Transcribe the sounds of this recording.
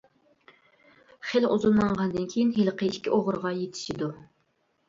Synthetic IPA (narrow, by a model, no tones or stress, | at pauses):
χeluzunmɑɴʁɑnd̪ɨnkʲʰejinɦelˠqʰəiʃkʲʰḭʔoʁʊɾʁɑjet̪ʰɪ̥ʃid̪u